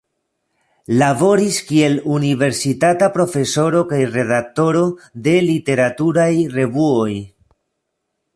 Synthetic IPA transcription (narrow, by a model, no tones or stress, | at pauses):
lavo̞ɾiskie̞lunive̞ɾsitatapɾo̞fe̞so̞ɾo̞kajre̞ðak̚to̞ɾo̞de̞lite̞ɾatuɾajre̞vuoj